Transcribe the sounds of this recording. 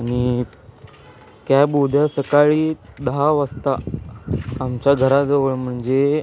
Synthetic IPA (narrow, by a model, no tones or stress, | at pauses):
aɽ̃i | kjabud̪ʱjasəkaɭiːd̪əɦaʋəst̪aː | mt͡ɕjaɡʱəɾad͡zəʋəɭm̤əɳd͡ze